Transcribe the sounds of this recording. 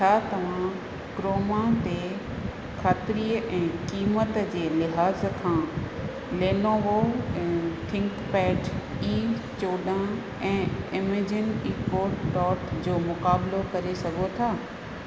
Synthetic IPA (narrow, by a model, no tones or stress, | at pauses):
at̪ɐʋ̤ã | kɾoːmãt̪e | xʰaːt̪ɪɾiːəʔɛ̃ːkiːmət̪d͡ʑeːlɪɦaːzkʰãː | leːnoɦõ | t̪ʰɪ̃ŋkpɛːʈ | iːt͡ɕoːɗã | ɛ̃ːɪmed͡ʑɪniːpoːʈːɔːʈd͡ʑoːmʊkaːblokɐɾesɐɡʱot̪ʰaː